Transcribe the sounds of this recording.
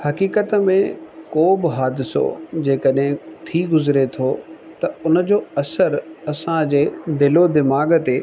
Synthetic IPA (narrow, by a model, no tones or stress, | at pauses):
hɐkiːkət̪əmẽkoːbɪɦaːd̪ɪso̰d͡ʑeːkəɗɦɪ̃t̪ʰiɡʊzɾet̪ʰoː | t̪ɐʊnə̆d͡ʑoːɐsəɾɐsãd͡ʑeːd̪ɪlod̪ɪmaːɡt̪eː